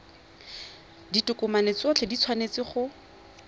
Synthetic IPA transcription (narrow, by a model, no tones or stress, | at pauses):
ditʊkʊmanet͡sot͡ɬʰedit͡sʰwanet͡sɪχʊ